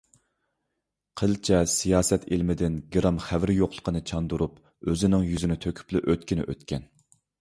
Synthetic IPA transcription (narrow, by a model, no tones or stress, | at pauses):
qʰəlt͡ʃʰɛsijɑːsɛt̪ilmɪd̪ɪnɡiɾɑmχævɾɪjoqlˠə̥qʰənɨt͡ʃʰɑnd̪uɾup | øzɪnɪŋjyzɪnɪt̪ʰøkʲʰy̥plɪʔøt̪kʲinɪ̰ʔøt̪kʲɛn